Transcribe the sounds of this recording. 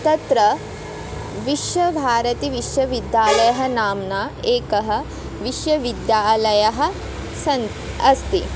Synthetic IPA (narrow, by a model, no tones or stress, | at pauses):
t̪ɐt̪ɾɐ | ʋiʃjɐbʱaːɾɐt̪iʋiʃjɐʋid̪jaːlɐjɐɦɐ̆naːmnaːeːkɐɦɐ̆ | ʋiʃjɐʋid̪jaːlɐjɐɦɐ̆ | sɐn | ɐst̪i